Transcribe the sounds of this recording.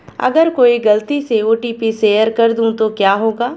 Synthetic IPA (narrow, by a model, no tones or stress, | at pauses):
ɐ̰ɡəɾkoːiɡɐlt̪iseoːʈiːpiseːjəɾkɐɾd̪ũt̪okjaːɦoːɡaː